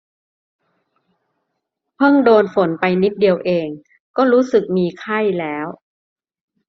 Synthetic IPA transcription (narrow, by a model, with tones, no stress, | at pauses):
pʰɤ˥˩ŋdoː˧nfo˩˦npa˧jni˦˥t̪̚di˧əwʔeː˧ŋ | kɔː˥˩ɾuː˦˥sɯ˨˩k̚miː˧kʰa˥˩jlɛː˦˥w